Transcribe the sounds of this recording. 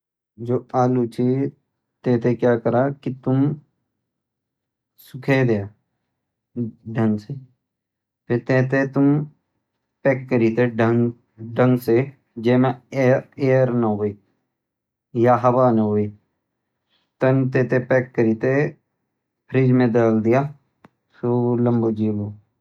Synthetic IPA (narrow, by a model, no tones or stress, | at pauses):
d͡ʒoːaːlut͡ʃi | t̪eːt̪ekjaːkəɾaːkit̪ʊm | sʊkʰed̪eaː | ɖʱəŋse | pʰɪt̪eːt̪et̪ʊm | pɛːkːəɾit̪eɖəŋ | ɖə̃ŋɡse | d͡ʒeːmẽ | eːəɾnaɦoːeː | jaɦəbanəɦoe | t̪ənt̪eːt̪epɛːkːəɾiːt̪e | pʰɾiːd͡ʒmẽd̪əːld̪ɪjaː | solə̃mbod͡ʒiːboː